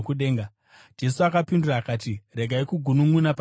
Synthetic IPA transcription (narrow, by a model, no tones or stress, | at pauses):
kuɗe̞ːŋɡa | d͡ʒe̞suakapinduraːkaːtire̞ɡʱaikuɡʱunumunap